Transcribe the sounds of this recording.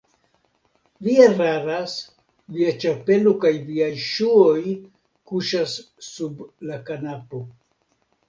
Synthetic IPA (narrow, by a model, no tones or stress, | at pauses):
viaɾaɾas | viat͡ʃape̞lo̞kajviajʃuoj | kuʃasː | ublakanapo̞